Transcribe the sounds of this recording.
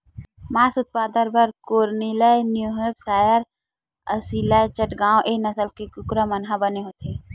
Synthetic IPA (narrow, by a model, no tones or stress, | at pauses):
maːsʊt̪̚paːd̪əɾbəɾkoːɾniləjnjuɦebsaːjəɾ | əsilajt͡ʃəʈɡãːwʔeːnɐsəlkekʊkɾamɐnɦabəneɦoːt̪eː